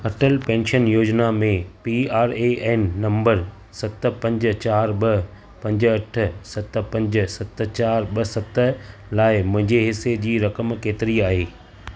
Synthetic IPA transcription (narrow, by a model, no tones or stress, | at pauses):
ɐʈəlpɛ̃ːnʃənjoːd͡ʑnamẽpiaːɾeʔɛːnːɐ̃mbəɾ | sɐt̪̆pɐ̃ɲd͡ʑ̆t͡ɕaːɾɓɐ | pɐ̃ɲd͡ʑɐʈ̆ʰsɐt̪̆pɐ̃ɲd͡ʑ̆sɐt̪ə̆t͡ɕaːɾɓɐsɐt̪ə̆laːɪmʊ̃ɦɪ̃ɲd͡ʑeɦɪsed͡ʑiːɾɐkəmkeːt̪ɪɾiaːɦeː